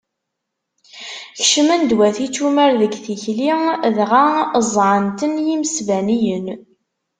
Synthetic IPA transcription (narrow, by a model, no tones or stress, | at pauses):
çʃəmənd̪wæθit͡sːumæɾðəɡθiçliðʁazˤʕənt̪ənjiməsvænijən